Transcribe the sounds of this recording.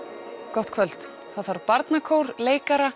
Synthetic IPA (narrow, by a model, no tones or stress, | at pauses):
kɔht̪kʰvœlt̪ | θaðvaɾpaɾt̪nakʰoːwɾleːjkaɾa